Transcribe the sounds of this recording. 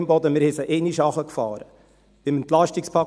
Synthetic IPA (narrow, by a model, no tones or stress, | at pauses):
mbɔdəmɪɾhɛsəʔeniʃɑχəkfɑːɾə̰ | b̥ɪməntlɑʃtikspʰɑ